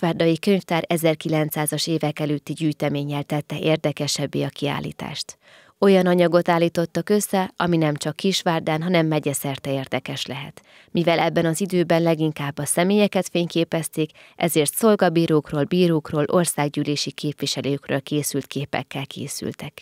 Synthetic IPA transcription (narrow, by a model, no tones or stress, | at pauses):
ʃʋaːrd̪ɒjikøɲft̪aːɾɛzɛrkilɛnt̪saːzɒʃeːvɛkɛløːt̪ːiɟyːjt̪ɛmeːɲːɛlt̪ɛt̪ːɛʔeːrd̪ɛkɛʃɛbːḛːɒkia̰ːlːḭːt̪a̰ːʃt̪ | o̞jɒnɒɲɒɡo̞t̪aːlːiːt̪o̞t̪ːɒkø̞sːɛɒminɛmt͡ʃɒkːiʃʋaːrd̪aːnɦɒnɛmːɛɟɛsɛrt̪ɛeːrd̪ɛkɛʃlɛɦɛ̰t̪ | mivɛlɛbːɛnɒzid̪øːbɛnlɛɡiŋkaːbːɒsɛmeːjɛkɛt̪feːɲkeːpɛst̪eːk | ʔɛ̰zeːrt̪so̞lɡɒbiːɾoːkroːlbiːɾoːkroːlʔo̞rsaːɡɟyːleːʃikʰeːpʋiʃɛløːkrø̰ːlkeːsylt̪keːpɛ̰kːɛlkʰḛːsy̰lt̪ɛk